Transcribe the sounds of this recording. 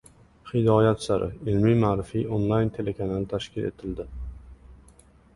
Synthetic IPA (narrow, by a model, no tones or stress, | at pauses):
χɪd̪ɒːjat̪saɾʔɪ̰ɪlmimaːɾɪfionlˠajnt̪ʰe̞lekʰanalt̪ʰaʃkʲɪle̞̰t̪ʰɪld̪ɪ